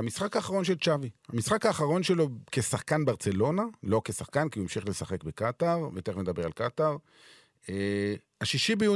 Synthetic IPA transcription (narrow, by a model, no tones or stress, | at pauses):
amisχakaːχaʁo̞nʃelt͡ʃavihamisχakaːχaʁo̞nʃe̞lo̞ke̞saχkanbaʁt͡selo̞nalo̞kesaχkankiuemʃiχle̞saχe̞kbekat̪aʁvet̪emed̪abe̞ʁalkat̪aʁ | e | aʃiʃibeju